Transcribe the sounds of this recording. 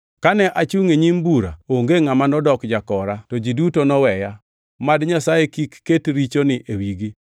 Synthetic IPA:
kanɛʔat͡ʃuŋeɲimbuɾa̰oŋɡeŋamanɔdɔkd͡ʒakɔɾatod͡ʒidutonɔwɛja | madɲasajekikːetɾit͡ʃonɪʔewiɡi

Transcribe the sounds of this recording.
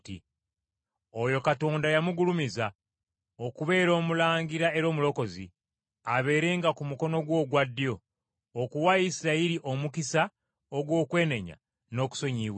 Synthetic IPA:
tḭ | ojo̞kato̞ːndajamuɡulumiza | o̞kuβe̞ːɾo̞ːmulaːŋɡiɾae̞ɾo̞ːmulo̞ko̞zḭ | aβe̞ːɾe̞ːŋɡakumuko̞no̞ɡwo̞ːɡwadːjo̞ː | kuwaisiɾaiɾiʔo̞mukisa | oɡwo̞ːkwe̞ːne̞ɲa̰ | no̞ːku̥so̞ɲiːw

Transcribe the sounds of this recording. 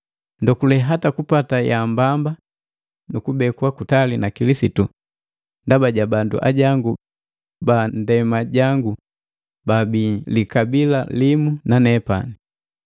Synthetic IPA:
ndɔkulɛɦatakupatajambamba | nukubɛkwakutalinakilisitu | ndabaɟabandṵʔa̰ɟaŋɡu | bandɛmaɟaŋɡu | babiːlikabilalimunanɛpa̰ni

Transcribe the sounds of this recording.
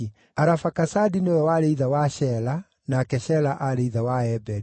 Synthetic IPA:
aɾafakasadinewɛwaɾeiðawaʃɛla | naːkɛɕɛlaʔaɾeiðawaɛbɛɾi

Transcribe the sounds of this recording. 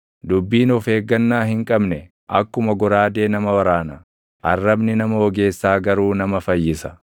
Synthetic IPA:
d̪ʊbːiːnɔfe̞ːɡːɐnːaːhɪŋkʼɐbnɛ | ʔɐkːʊmɐɡɔɾaːd̪e̞ːnɐmɐwɐɾaːnɐ | ʔɐrːɐbnɪnɐmɐwɔɡe̞ːsːaːɡɐɾuːnɐmɐfɐjːɪsɐ̥

